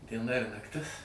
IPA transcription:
dʲiɛˈnɐ ɪr nɐkˈtʲɪs

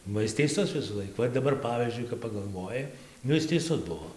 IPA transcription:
bɐ ˈɪs tʲɛɪˈsʊs ʋʲɪsuːˈlˠɐɪk ˈʋɐ ɪr dɐˈbɐr ˈpɑːʋʲiːzʲd͡ʒʲʊɪ kɐp pɐɡɐlˠˈʋoːjɪ ˈnʊ ˈɪs tʲɛɪˈsʊs ˈbuɔ

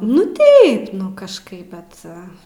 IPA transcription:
nʊ ˈtɐɪp nʊ kɐʃˈkɐɪp ˈbʲɛt

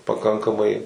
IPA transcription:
pɐˈkɐŋkɐmɐɪ

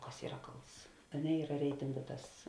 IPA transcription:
ˈkɐs ˈiːrɐ ˈkɐlˠts ɐ ˈnʲɛ ˈiːrɐ ˈrʲɛɪtʲɪŋɡʊ ˈtɐs

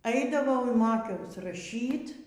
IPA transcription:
ˈɐɪdɐʋɐʊ ɪr ˈmoːkʲɛʊs rɐˈʃʲiːt

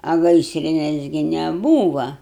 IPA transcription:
ɐ ˈɡɐɪsʲrʲɪnʲɛs ɡʲɪ nʲɛˈbuːʋɐ

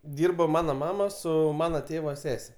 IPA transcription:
ˈdʲɪrboː ˈmɑːnoː ˈmɑːmɐ ˈsʊ ˈmɑːnɐ ˈtʲeːʋɐ ˈsʲæːsʲɛ

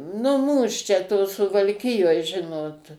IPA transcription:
nʊ ˈmuːs t͡ʃʲɛ toː sʊʋɐlʲˈkʲɪjoːj ˈʒʲɪnoːt

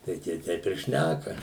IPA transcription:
tɐɪ ˈtʲiɛ ˈtʲɛɪp ɪr ˈʃʲnʲækɐ

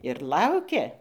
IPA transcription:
ɪr ˈlˠɐʊkʲɛ

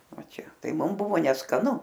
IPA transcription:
ˈʋɐ ˈt͡ʃʲɛ ˈtɐɪ ˈmʊm ˈbʊʋoː nʲɛskɐˈnʊ

